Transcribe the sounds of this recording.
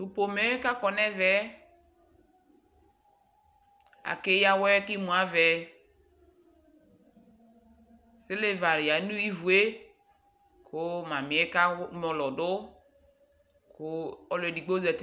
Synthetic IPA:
u˨po˨me˦ka˦kɔ˨nɛ˦vɛ˦ | a̰˨ke˦ja˨wɛ˦ki˦mũ˨a˦vɛ˨ | sɪ˦le˦va˨ɾja˨˦nũ˦i˦vu˨e˦ | kʰo˦ma˨mĩ˨˦e˦ka˦mɔ˨lɔ˨dʊ˦ | ko˦ɔ˦lɛ˨di˨ɡ͡bo˦zɛ˨t

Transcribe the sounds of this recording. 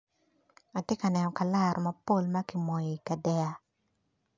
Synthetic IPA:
a˨tjɛ˦ka˨nɛ˨nɔ˨ka˨la˦ɾʔɔ˨ma˦po˦˨lma˦ki˨mɔ˨jɔ˨i˨ka˨dɛ˦a˦

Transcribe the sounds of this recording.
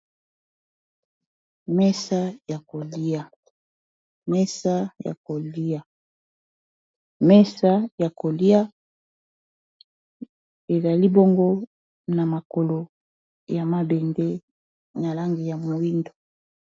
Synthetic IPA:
mɛ˦sa˦ja˨ko˨li˦a˨ | mɛ˦sa˦ja̰˨ko˨li˦a˨ | mɛ˦sa˦ja˨ko˨li˦a˦ | e˨za˨li˦bo˦ŋɡo˦ | na˨ma˨ko˨lo˨ | ja˨ma˦be˨ŋɡe˦ | na˨la˦ŋɡi˨ja˨mo˨i˦ndo˨

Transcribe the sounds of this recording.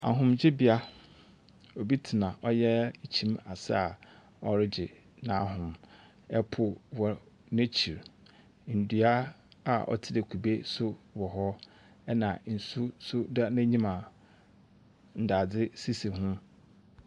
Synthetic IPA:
a̰˨ɦʊ̃˨md͡ʑɪ˦bɪ˦a˦ | o˨bi˦tʰi˨nã˨ʔɔ˦jɛ˦t͡ɕʰĩ˦ma˨sa˦a˨ | ɔ˦ɾɪ˦d͡ʑɪ˨ | nã˨˦ɦʊ̃˨m | ɛ˦pʰʊ˨wɔ˨ | nẽ˦t͡ɕʰi˨ɾ | n̩˨dɥa˦ | a˨ʔɔ̰˦tʰɪ˦de˨kʰu˨be˦sʊ˦wɔ˨ɦɔ˦ | ɛ˦nã˨n̩˨su˦sʊ˦da˦næ̃˦ɲĩ˦mã˨ | n̩˨da˨d͡zɪ˦si˦se˨hʊ̃˦

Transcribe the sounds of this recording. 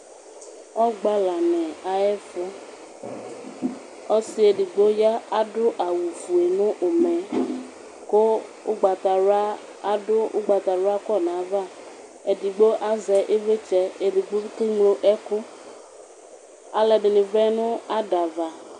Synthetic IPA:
ɔ˦ɡ͡ba˦la˨nɛ˨a˨ɛ˦fʊ˦ | ɔ˦sɪ˦e˨dɪ˨ɡ͡bo˦ja˦a˦dʊ˦ʔa˨wu˨fu˨e˨nʊ̃˦ʔʊ˨mɛ˨ | kʊ˦ʊ̰˦ɡ͡ba˨ta˨a˦ | a˨dʊ˦ʊ̰˦ɡ͡ba˨t̪a˨lʊ˦a˦kɔ˦˨nã˨˦va˦˨ | e˨di˨ɡ͡bo˦ʔa˦zɛ˨ʔe˦ve˦t͡ʃɛ˦e˨dɪ˨ɡ͡bo˦ke˦ŋlo˦ʔɛ˦kʊ˦ | a˨lɛ˨dɪ˨nɪ˨vɛ˦nʊ̃˦a˦da˨va˨

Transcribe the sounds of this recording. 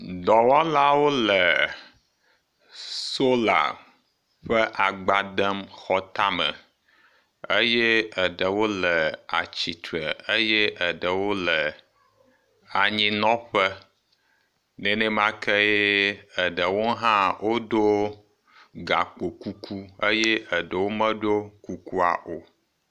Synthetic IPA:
d̪ɔ˨wa˦la˦wo˦lə˨ | so˦la̰˨ | ɸə˦ʔa˨ɡ͡ba˨d̪ə˦mxɔ˦t̪a˦mə̰̃˨ | ə˦jɛ˦ə˨ɖə˨wo˦lə˨a̰˨t͡ɕi˨t̪ɾə˨ə˦jɛ˦ʔə˨ɖə˨wo˦lə˨ | a˨ɲĩ˦nɔ̃˦ɸə˦ | nɛ˨nɛ̃˦mã˦kɛ˦e˦ə˨ɖə˨wo˦ɦã˦wʔo˦ɖo˦ | ɡa˨k͡po˨ku˦kʰu˦ə˦jɛ˦ʔə˨ɖə˨wo˦mə̃˦ɖo˦ku˦ku˦a̰˨ʔo˨

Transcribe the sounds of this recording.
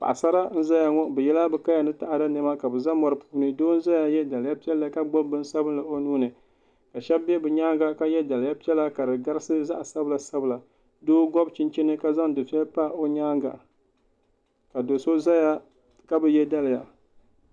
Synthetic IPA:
pa̰˨ʔa˨sa˦ɾa˦n̩˦za˦ja˨ŋɔ˦bɛ˨jɛ˦la˦bɨ˨ka˦ja˨nɨ˦ta˨ʔa˨da˦nɨ˦ma˦ka˨bɨ˨za˦mɔ˨ɾpu̥ː˦nɨ˦doː˦n̩˦za˦ja˦jɛ˦da˨lɨ˨ja˦pi˦ɛ˦lːa˦ka˦ɡ͡bo˦mbɨ˦n˦sa˦bɨ˦n˦la˨o˦nuː˦nɨ˨ | ka˨ʃɛ˦bbːɛ˦bɨ˨ɲaː˦ŋɡa˨ka˦jɛ˦da˨lja˦pi˦ɛ˦la˦ka˨dɨ˨ɡa˦ɾɨ˦sɨ˦za˦ʔa˨sa˦bɨ˦la˨sa˦bɨ˨la˨ | doː˦ɡɔ˦bt͡ʃi˦nt͡ʃɛ˦nɨ˦ka˦za˦ŋdɨ˨fi˦ɛ˦lpa˦˨o˦ɲaː˦ŋɡa̰˨ | ka˨do˨so˦za˦ja˦ | ka˦bɨ˦jɛ˦da˦lɪ˨ja˨

